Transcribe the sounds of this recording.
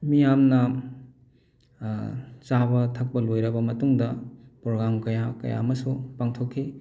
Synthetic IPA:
mijamnɐ | t͡ʃaβɐtʰɐk̚pɐlojɾɐbɐmɐtuŋdɐpɾoɡɾamkɐjakɐ̰ja̰mɐsupaŋtʰokʰːi

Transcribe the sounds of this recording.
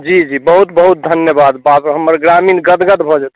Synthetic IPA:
d͡ʒid͡ʒibəɦut̪̚bəɦut̪̚d̪ʱənjəbad̪bapɦəmːəɾɡɾaminɡəd̪ɡəd̪bʱɔd͡ʒat̪

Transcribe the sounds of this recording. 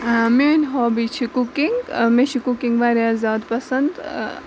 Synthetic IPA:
menɦɔːbit͡ʃʰikukiŋɡmẽʃʰikukĩŋɡʋaːɾjaːzʲaːd̪pɐsənd̪

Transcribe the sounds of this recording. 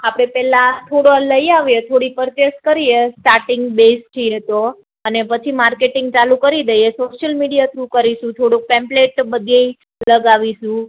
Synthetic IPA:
apɽ̃epɛlãt̪ʰoɽoləiaʋjet̪ʰoɽipəɾt͡ʃeskəɾiesʈaɾʈɪŋɡbest͡ʃʰiet̪o | ənepət͡ʃʰimaɾkeʈɪŋɡ̚t͡ʃalukəɾid̪əjesoʃəlmiɽijat̪ʰɾukəɾiʃũt̪ʰoɽok̚pɛ̃mpleʈbəd̪ʱei | ləɡaʋiʃũ

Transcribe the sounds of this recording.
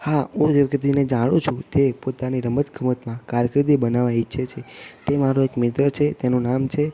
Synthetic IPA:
haɦũd͡ʒeʋəkət̪ined͡ʒaɽ̃ũt͡ʃʰũt̪epot̪aniɾəmət̪ɡʱəmət̪mãkaɾjəkɾid̪ibənaʋãitːʃʰet͡ʃʰet̪emaɾoekmɪt̪ɾət͡ʃʰet̪enũnamt͡ʃʰe

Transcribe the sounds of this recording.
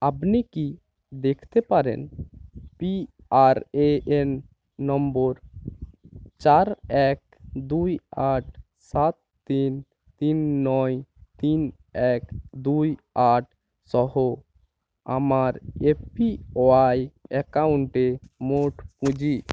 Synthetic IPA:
apniki | d̪ekʰt̪ɛpaɾɛ̰n | pi | aɾeenː | ɔmbɔɾ | t͡ʃaɾɛk̚ | d̪ujaʈ̚ʰ | sat̪ːin | t̪inːɔjt̪in | ɛkd̪uj | aʈ̚ʰ | sɔɦo | a̰maɾepioajɛkauɳʈemoʈpũd͡ʒi

